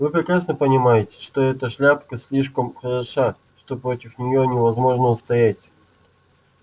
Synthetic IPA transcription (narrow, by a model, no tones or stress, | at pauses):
vɨpɾʲɪkɾasnəpənʲɪmajɪtʲɪ̥ʂt̪o̞ɛt̪əʂlʲapkəsʲlʲiʂkəmxəɾɐʂa | ʂt̪o̞pɾotʲɪfnʲɪjonʲɪvɐzmo̞ʐnəʊst̪ɐjætʲ